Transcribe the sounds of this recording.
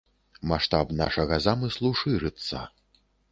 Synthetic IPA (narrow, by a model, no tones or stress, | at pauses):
maʂt̪apna̰ʂɐɣɐzamɨslˠuʂɨɾɨt̪sːɐ̰